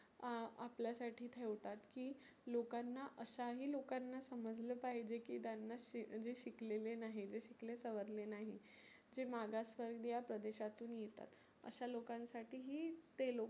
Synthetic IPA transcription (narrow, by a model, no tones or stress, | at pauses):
a̰pljasaʈʰiːt̪ʰeʋʈ̪at̪kiː | lokanːaʔəɕaɦiːlokanːasəməd͡zʱlepaɦid͡ʑekḭːt̪janːad͡zeɕiklelenaɦid͡zeɕiklesəʋəɾlenaɦi | d͡zemaɡasʋəɾɡd̪japɾəd̪eɕat̪uːnjet̪a̰t̪ | ə̰ɕalokãnsaʈʰiːɦiːt̪elo